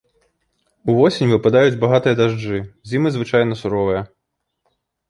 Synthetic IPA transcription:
uvɔsʲinʲvɨpad̪ajud͡zʲbaɣat̪ɨjɐd̪aʐd͡ʐɨzʲimɨzvɨt͡ʂajn̪ɐsuɾɔvɨjɐ

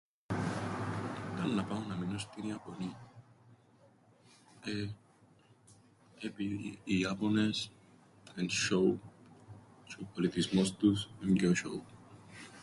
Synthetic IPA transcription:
t̪annapawnaminost̪iniaponi | e | ebiːapones | ɛ̃nʃow | t͡ʃupolit̪ismost̪usɛmɡoʃo̰w

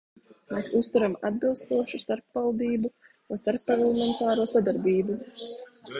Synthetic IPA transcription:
meːsust̪uɾama̰d̪̚bilˠst̪uɔʃust̪aɾpvalˠd̪iːbu | unst̪aɾpːaɾɛlˠemɛnt̪aːɾuɔsad̪aɾbiːbu

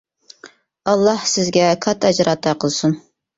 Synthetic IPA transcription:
ɑlˠːɑhsɪzɡʲɛkʰɑt̪ʰɛd͡ʒɾɑt̪ʰɑqəlˠsun

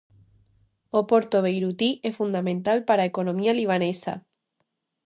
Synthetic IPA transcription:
opoɾt̪oβ̞ejɾut̪iʔesfund̪amẽnt̪alpaɾaekonomialiβ̞anesa̰

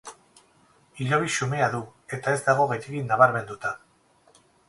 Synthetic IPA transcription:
iʎo̞βisume̞aðue̞t̪ae̞zd̪aɣ̞o̞ɣejteɣinaβaɾme̞nd̪ut̪a

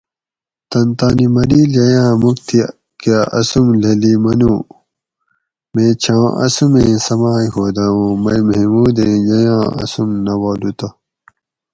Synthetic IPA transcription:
t̪ɐnt̪aːnimɐliːljɐjãːmukt̪ʰi | kaʔɐ̰sumlelimɐnuː | mẽːt͡ɕʰãːʔɐ̰sumẽːsɐmaːihoːd̪aõːmɐjmimuːd̪ẽːjɐjãːɐ̰sumnɐwoːlut̪ɐ

